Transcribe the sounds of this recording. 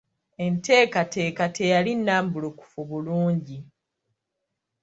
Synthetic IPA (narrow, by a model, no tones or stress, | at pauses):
e̞nte̞ːkate̞ːkatʰe̞jalinːaːmbuloku̥fuβuluːɲɟi